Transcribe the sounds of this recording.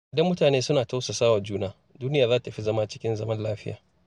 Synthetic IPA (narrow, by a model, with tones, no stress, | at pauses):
ʔɪ˨dɐ˦mːʊ˦taː˨neː˦sʊ˦naː˨ta˦wsa˨saː˦wa˨d͡ʒuː˦naː˦ | duː˦nɪ˦jaː˨zaː˦ta˨tɐ˨ɸi˦zɐ˦maː˦t͡ʃɪ˦kʲɪ˦nzɐ˦mɐ˦nlaː˦ɸɪ˦ja̰ː˨